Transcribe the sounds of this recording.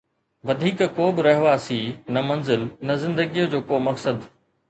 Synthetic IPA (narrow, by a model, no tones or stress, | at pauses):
ʋɐd̪ʱiːkkoːbɪɾɐɦɪʋasiːnɐmɐ̃nzɪlnɐzɪ̃nd̪əɡijod͡ʑoːkoːmɐksəd̪